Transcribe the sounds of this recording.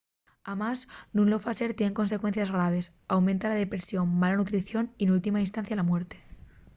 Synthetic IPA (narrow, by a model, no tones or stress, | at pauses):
amaznũnlo̞faseɾt̪jeneŋko̞nsekwe̞n̟θjazɣ̞ɾaβ̞e̞s | awmẽnt̪alaðe̞pɾesjo̞mːalanut̪ɾiθjo̞ninult̪imainst̪ãnθjalamwe̞ɾt̪e